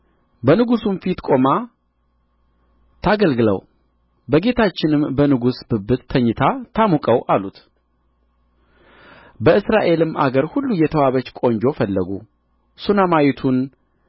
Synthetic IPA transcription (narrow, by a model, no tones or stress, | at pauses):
bənɨɡusunfit̪kʼo̞ma | t̪ʰaɡəlɡɨlə̰w | bəɡe̞t̪ʰat͡ʃːɪnɨmbənɨɡusbɨbːɨt̪ʰːəɲːɨt̪ʰat̪ʰamukʼəwʔalut̪ | bəɨsɾaʔe̞lɨma̰ɡəɾhulːujɛt̪ʰəwaβət͡ʃkʼo̞ɲd͡ʒo̞fəlːəɡṵ | sunamajit̪ʰun